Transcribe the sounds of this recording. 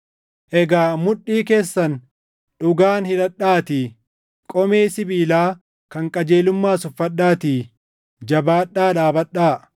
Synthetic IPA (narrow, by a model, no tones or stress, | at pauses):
ʔɛɡaːmʊᶑːiːke̞ːsːɐn | ᶑʊɡaːnhɪᶑɐᶑːaːt̪iː | kʼɔmeːsɪbiːlaː | kɐŋkʼɐd͡ʒeːlʊmːaːsʊfːɐᶑaːt̪iː | d͡ʒɐbaːɗːaːᶑaːbɐᶑaː